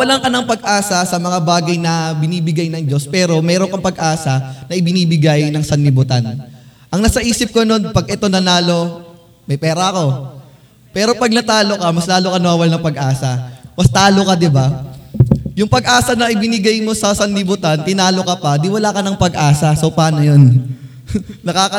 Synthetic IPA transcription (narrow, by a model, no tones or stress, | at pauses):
wɐlaŋkɐnɐŋpɐɡ̚ʔaːsɐsɐmɐŋabaːɡɐjnɐbɪniːbɪɡajnɐŋd͡ʒo̞spɛːɾo̞mɛːɾo̞ŋkɐpɐɡʔaːsɐnɐʔɪbɪniːbɪɡajnɐŋsɐnlɪbʊt̪an | ʔɐŋnɐsɐʔiːsɪp̚kono̞npɐɡʔɛt̪o̞nɐnaːlo̞ | mɐjpɛːɾɐɐko̞ | pɛːɾo̞pɐɡ̚nɐt̪aːlo̞kɐmɐslaːlokɐnɐwaːwɐlnɐŋpɐɡʔaːsɐmɐst̪aːlokɐd̪ɪba | jʊŋpɐɡ̚ʔaːsɐnɐʔɪbɪnɪɡajmo̞sɐsɐnːɪbʊt̪ant̪ɪnaːlo̞kɐpɐd̪iwɐlaːkɐnɐŋpɐɡʔaːsɐsowpaːnojon | ɐkaːkɐ